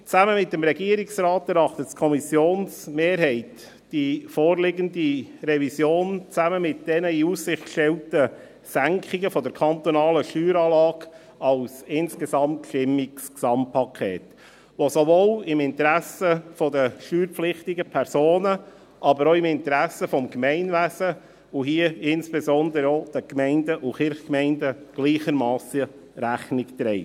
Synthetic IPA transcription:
t͡sæməmɪt̚dəmɾɛɡiəɾɪksrɑːtɛɾɑχtəttkʰɔmisjoːnsmeːɾɦɛɪt | d̥ifoːɾlɪɡəndirɛvisjoːnt͡sæməmɪt̚d̥ɛnəiussɪχtkʃtɛltə | sæŋkχɪɡəfɔdəɾkʰɑnt̪ɔnɑːləʃtyːɾɑːlɑːɡ | ɑlsɪnsɡ̥esɑmtʃtɪmːiksksɑmpʰɑkʰɛ̰ːt | ʋosovoːlɪmɪnt̪ɾæsəfɔdəʃtyːɾflɪχtɪɡəpʰɛɾsoːnə | ʔɑbəɾoːɪmɪnt̪əɾæsːəfɔmkmɛɪnvæsə | ʊɦiəɪnsb̥esɔnd̪əɾəod̥əkmɛɪndəʔʊkɪɾχkmɛɪndəɡ̥liːχəɾmɑːsə | ɾæχnɪkt̪ɾɛɪ

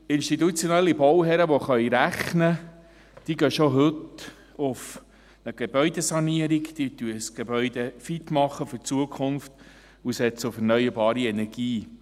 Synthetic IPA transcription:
ɪnʃtit̪ut͡sjɔnɛlːibɔwɦɛɾəʋɔχœjɾæχnə | d̥iɡœʃoɦɵt̪ | ʊf | nəɡ̥eb̥œʏd̥̪esɑniəɾikd̪̥it̪yəsɡ̥ebœʏd̪efitmɑχəfʏt͡suəkʰχʊnft | usɛt͡səʊfɛɾnœʏəɾbɑːɾiɛnɛɾɡ̥iː

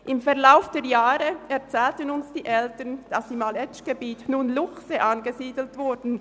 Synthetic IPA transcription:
ʔɪmfɛɐlaʊfd̥eːɐjaːʁəɛɐt͡sɛːltənʊnsd̥iːʔɛltənd̥asimɑlɛt͡ʃɡ̥əbiːtnuːnlʊχsəʔanɡəziːdl̩tv̥ʊɾdn̩

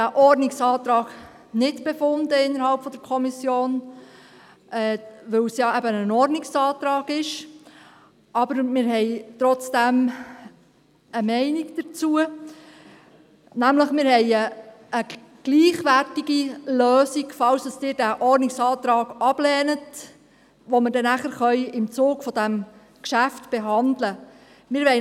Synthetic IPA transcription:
æʔɔɾniksɑːt̪ɾɑːɡ̥ | nɪtb̥efʊndəɪnːəɾhɑlpfɔd̥̪əɾkʰɔmisjoːn | ʔɛːʋɵwsjɑɛbənənɔrniksɑːt̪ɾɑːɡɪʃ | ʔɑbəɾmɪːɾɦɛɪt̪ɾɔt͡sd̥æm | əmɛɪniɡd̥̪əɾt͡suə | næmləχmɪɾɦɛɪə | ə | ɡ̥liːχʋærtiɡiløːsiɡfɑwsd̥ɑstɪːɾdæʔɔɾnɪksɑːt̪ɾɑːɡ̥ɑb̥lɛːnət | ʋomədɛnæχəɾχœʏɪmt͡soːkfɔd̥æm | kʃæftb̥eɦɑndlə | mɪɾʋɛɪ

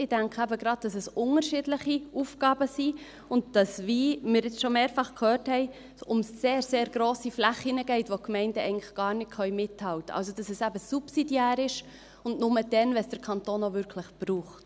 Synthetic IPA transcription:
ɪd̥æŋkʰæbəɡɾɑd̚d̥ɑsɛsʊnəɾʃɪdləχiuːfɡɑːbəsi | ʊnd̚d̥ɑsvimɪːɾɪt͡sʃomeːɾfɑχkʰøːrthɛɪ | ʊmsːeːɾseːɾɡɾoːsiflæχinəɡɛɪtʋokmɛɪndəʔɛ̰ɪɡŋnlɪχɡ̥ɑːɾnɪkʰχœʏmɪtʰːɑwtəɑ̰ls̬od̥ɑsɛsæbəsupsidjæːɾɪʃ | ʊndnʊməd̥ɛnvɛsd̥əɾkʰɑntoːnovʏɾkʰləχb̥ruːχt

